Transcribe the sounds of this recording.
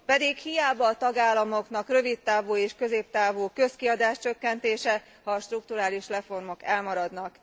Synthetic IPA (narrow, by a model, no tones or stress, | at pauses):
pɛd̪ikhijaːbɒːt̪ɒɡaːlːɒmo̞kn̪ɒkrø̞vit̪ːaːvoːeːʃkø̞zeːp̚t̪aːvoːkø̞skiɒd̪aːʃt͡ʃø̞kːɛnt̪eːʃɛ | hɒʃt̪ruk̚t̪uɾaːliʃrɛfo̞rmo̞kɛlmɒɾɒd̪nɒk